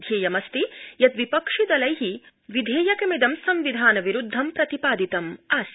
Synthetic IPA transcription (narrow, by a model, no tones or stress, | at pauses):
d̪ʱjeːjɐmɐst̪ijɐt̪ʋipɐkʂid̪ɐlɐjɦi | ʋid̪ʱeːjɐkɐmid̪ɐmsɐmʋid̪ʱaːnɐʋiɾud̪ʱːɐmpɾɐt̪ipaːd̪it̪ɐmaːs